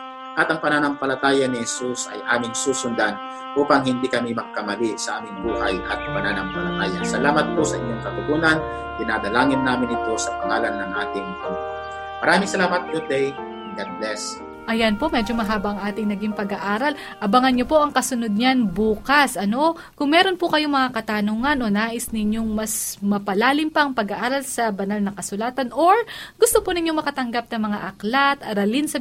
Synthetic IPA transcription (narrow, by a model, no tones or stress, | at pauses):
ʔɐt̪ɐŋpɐnanɐmpɐlɐt̪aːjɐnɪhɛsusɐ̰jʔaːmɪŋsuːsʊnd̪an | ʔuːpɐŋhɪnd̪iːkɐmimɐɡ̚kɐmɐlisɐʔaːmɪŋbuːhajʔɐ̰t̪̚pɐnanɐmpɐlɐt̪aːja̰sɐlaːmɐt̪̚posɐʔɪɲːo̞ŋkɐt̪ʊɡuːnɐn | d̪ɪnad̪ɐlaːŋɪnːaːmɪnɪt̪o̞sɐpɐŋaːlɐnnːɐŋʔaːt̪ɪŋt̪ɐl | mɐɾaːmɪŋsɐlaːmɐt̪̚ɡʊd̪ɛj | ɡad̪̚lɛs | ʔɐjanpo̞ʔmɛd͡ʒo̞mɐɦaːbɐʔɐŋʔaːt̪ɪŋnɐɡiŋpɐɡaʔaːɾɐl | ʔɐbɐŋɐnɲopo̞ʔɐŋkɐsʊno̞d̪̚ɲanbuːkɐsʔɐno̞ | kʊŋmɛːɾo̞npʊkɐjo̞mɐŋakɐt̪anuːŋɐnʔo̞naːʔɪsnɪɲo̞ŋmɐsmɐpɐlaːlɪmpɐʔɐŋpɐɡɐʔaːɾɐlsɐbɐnalnɐŋkɐsʊlaːt̪ɐnʔoɹɡʊst̪opʊnɪɲjoŋmɐkɐt̪ɐŋɡap̚nɐmɐŋa̰ʔɐklat̪ɐɾɐlɪnsɐ